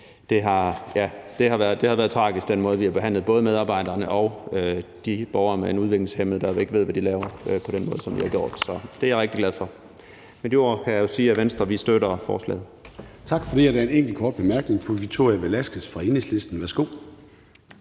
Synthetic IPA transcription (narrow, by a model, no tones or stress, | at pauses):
d̥e̝ɦɑ̈jæd̥e̝ɦɑ̈ʋæɐðˠd̥e̝hɑ̈ʋæːɐð̩ˠt͡sʰʁɑ̈ːɡ̥isɡ̥d̥enmɔ̽ːð̞̩ˠʋihɑ̈b̥e̝ɦæn̰lð̩ˠbɔ̽ːð̞ˠəmeðˠɑ̈ːb̥ɑ̈ɪ̰d̥ɐːnəʔɒ̽ʊød̥ib̥ɒʊɐmeenuð̞ˠʋe̝ɡ̥le̝ŋshem̰ð̩ˠd̥ɑʋie̝ɡ̥əʋe̝̰ʋæd̥ilɛːʊɐøpʰɒ̽ɾ̥enmɔːð̞ˠəsɒ̽mʋihɑ̈ɡjo̝̰ːd̥sɒ̽d̥e̝æjɑʁɛɡ̥d̥iɡ̥læð̞ˠfɒ̽ | mend̥io̝ɐ̰kʰæjɑjo̝siːæʋensd̥ʁɐʋisd̥øɾ̥ɐfɒ̰ːslɛ̰ːð̩ˠt͡sʰɑ̈ɡ̥fɒd̥iæd̥æɐeneŋ̰ɡ̥l̩kʰɒːd̥̚b̥emæɐɡ̥ne̝ŋfɒʋiɡ̥t͡sʰo̝ɐʁijæʋelæsɡ̥əsfʁɑ̈eneslesd̥n̩ʋæɐsɡ̥o̝̰ː